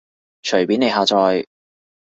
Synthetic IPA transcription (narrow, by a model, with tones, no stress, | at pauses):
t͡ʃʰɵ˨˩jpiː˨˥ne˨˧jɦaː˧t͡sɔː˧j